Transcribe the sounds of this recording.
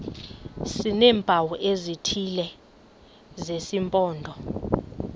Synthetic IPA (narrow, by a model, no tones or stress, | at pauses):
sinɛːmbʱawɔʔezitʰilɛ | zesimpʼɔːndʱɔ